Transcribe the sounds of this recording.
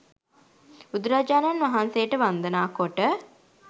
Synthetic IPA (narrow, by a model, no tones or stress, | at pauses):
ud̪uɾad͡ʒaːnanʋaɦansejəʈəʋand̪ənaːkoʈə